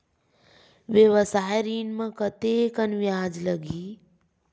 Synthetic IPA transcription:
ʋjeʋəsaːɦɾiːnmə̃kət̪ekənʋjaːd͡ʒləɡiː

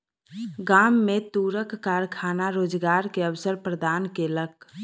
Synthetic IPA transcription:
ɡamːet̪uɾəkːaɾkʰaːnaɾoːd͡ʒɡaɾkeəʋsəɾpɾəd̪ankelək̚

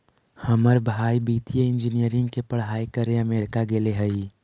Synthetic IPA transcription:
həməɾbʱaːibiːt̪ijəɪ̃nd͡ʒɪnijəɾɪ̃ŋɡkepəɽ̤ɦaːikəɾẽəmeːɾkaɡeːleɦəi

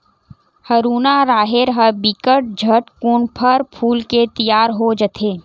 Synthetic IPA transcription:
həɾuːnaɾaːɦɪɾɦəbikəʈ̚d͡ʒʱəʈkuːɳpʰəɾpʰuːlket̪əjaːɾɦod͡ʒət̪ʰeː

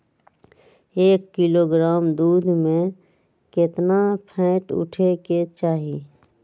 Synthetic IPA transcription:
eːkːɪloɡɾaːmd̪uːd̪ʱmẽ | kɪt̪napʰɛ̃ːʈʊ̰ʈʰeket͡ʃaːɦi

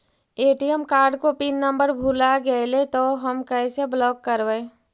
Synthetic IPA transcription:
eːʈijəmkaːɾɖkopiːnːə̃mbəɾbʱulaɡəelet̪oɦəmkɛseblɔːkːəɾʋə

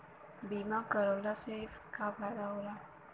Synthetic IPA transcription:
bimakəɾəlasefkabadawla

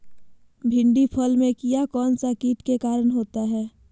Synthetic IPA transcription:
bʱɪ̃ɳɖipʰɔlmẽkijakɔːnsakiːʈkekaːɾənɦoːt̪aɦɛː

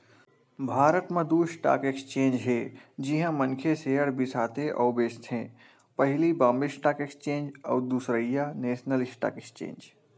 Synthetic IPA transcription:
bʱaːɾət̪mẽd̪uːsʈa̰ːkekst͡ʃẽːnd͡ʒɦeːd͡ʒiɦãmə̃nkʰeseːɦəɽbʱisaːt̪ʰeʔɔːbeːst̪ʰẽː | pɐɦɪlibãːmbisʈaːkekst͡ʃẽːnd͡ʒɔ̰ːd̪usɾəjaneːsnəlɪsʈa̰ːkekst͡ʃḛ̃ːnd͡ʒ

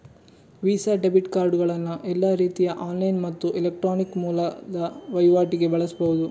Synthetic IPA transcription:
ʋiːsaɖebiʈkaːɾɖɡɐɭɐnːuʔɛlːɐɾiːt̪ijɐʔaːnlɐjnmɐt̪ːuʔilek̚ʈɾoːnikmuːlɐd̪ɐʋɐjʋaːʈiɡe̞bɐɭɐsbɐɣud̪u

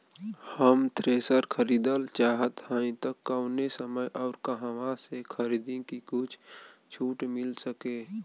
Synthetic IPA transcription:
həmt̪ʰɾeːsəɾkʰəɾiːd̪əlt͡ʃaːɦət̪həĩt̪əkːəʊnesəməjʔɔːɾkəɦãwãsekʰəɾiːd̪ĩkikut͡ʃʰt͡ʃʰuːʈmɪlsəkeː

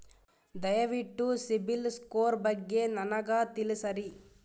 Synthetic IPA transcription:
d̪ɐjɐʋiʈːusibilskoːɾbɐɡːenɐnɐɡaːt̪ilisɐɾi

